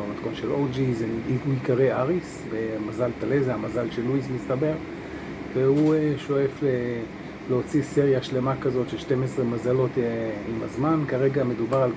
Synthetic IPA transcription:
mat̪konʃelod͡ʒizeiikaʁeaʁis | bemazalt̪alezeamazalʃelːuismist̪abe̞ʁ | vehueʃo̞efle | leot͡sisiʁjaʃle̞makazo̞tʃeʃtemesʁemazalo̞t̪imazmankaʁe̞ɡame̞d̪ubaʁal

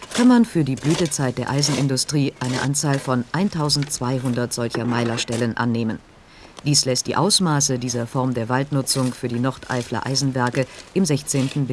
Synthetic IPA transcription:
kʰanmanfyːɐdiːblyːtət͡saɪt̚d̥eːɐʔaɪzn̩ɪndʊstʁ̥iːʔaɪnəʔant͡saːlfɔnʔaɪntʰaʊzn̩tt͡sv̥aɪɦʊndɐtz̥ɔlçɐmaɪlɐʃtɛlənʔa̰nːeːmən | d̥iːslɛstd̥ḭːʔa̰ʊsmaːsədiːzɐfɔʁmdeːɐvaltnʊt͡sʊŋfyːɐdiːnɔʁtʰʔa̰ɪflɐ̰ʔa̰ɪzn̩vɛɐkəʔɪmzɛçt͡seːntn̩b

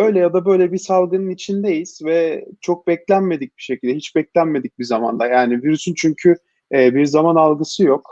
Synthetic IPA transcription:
ø̞jlʲɛjad̪abø̞jlʲɛbisalˠɡɯnɯnit͡ʃʰind̪ejiz̥vɛt͡ʃʰo̞k̚bɛclʲænme̞d̪ic̚biʃecʰilʲd̪ɛɦit͡ʃbɛclʲænme̞d̪ic̚bizama̰nd̪ajaːniviɾysynt͡ʃʰyɲcʰy | ɛːbiɾzamanalˠɡɯsɯjo̞k

